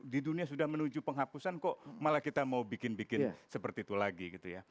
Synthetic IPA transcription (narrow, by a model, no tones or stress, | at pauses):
diduniasudahmənud͡ʒupəŋɦapusankɔʔmalakit̪amaubikɪnbikɪnsəpərt̪iːt̪ulaɡiɡit̪uja̰